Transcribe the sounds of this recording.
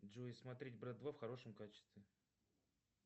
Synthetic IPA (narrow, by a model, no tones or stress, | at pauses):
dʐuɪsmɐt̪ɾʲetʲbɾat̪̚d̪vafxɐɾo̞ʂəmkat͡ɕɪ̥st̪vʲɪ